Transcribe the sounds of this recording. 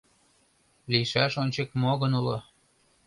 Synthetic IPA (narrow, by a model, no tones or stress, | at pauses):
liʃæʃonʲt͡ɕekmoɣənulo